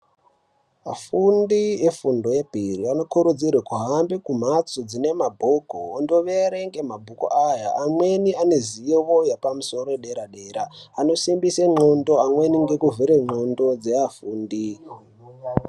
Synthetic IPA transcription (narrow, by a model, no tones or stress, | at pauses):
afundiefundo̞je̞bʱiriano̞kuɾud͡zirwekuɦambikum̤at͡sod͡zine̞mabʱokoːndo̞ʋeɾeŋɡe̞mabʱuko̰ʔajaamwe̞niane̞zijoʋojapamuso̞ɾoeɗeɾaɗeɾaːno̞simbiseŋ͡ǃondo̞amwe̞niŋɡe̞kuvʱiɾeŋ͡ǃondo̞d͡zeafuːndi